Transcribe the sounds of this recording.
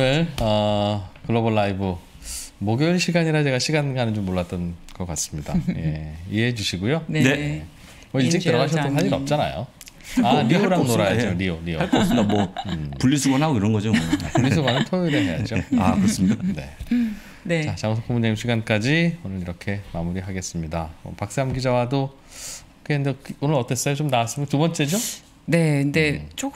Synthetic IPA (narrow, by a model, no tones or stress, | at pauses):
onɯɾʌkɯɭːobʌɭːaibɯ | moɡjʌnɕʰiɡaɲiɾat͡ɕe̞ɡaɕʰiɡanɡanɯnd͡ʑomːoɭːat͈ʌnɡ̥ʌk͈as͈ɯmɲida̰jeḭeɦed͡ʑuɕʰiɡujoeje | mʌiɭt͡ɕ͈ikɯɾʌɣaɕʰʌt͈osʰaʎiɾʌ̰p̚t͡ɕ͈ana̰jo̰ | aɾioɾanɾajad͡ʑoɾioɾioaɭk͈osdamʌpuʎːisʰuɡwanɦaɡoiɾʌnɡʌd͡ʑopuɭːisuɡwanɯntʰojoiɾɯɭɦe̞ja̰d͡ʑoakɯɾʌs͈ɯmɲidane̞̰ | t͡ɕat͡ɕaŋsʰok͈ʰumuneimɕʰiɡank͈ad͡ʑionɯɾiɾʌkʰe̞mamuɾiɦaɡe̞s͈ɯmɲidamʌ̰pak̚s͈eamɡid͡ʑawado | okʰeɯndeonɯɾʌt͈es͈ʌjot͡ɕomnawas͈ɯmkatubʌnt͡ɕ͈e̞d͡ʑo | ne̞knde̞t͡ɕo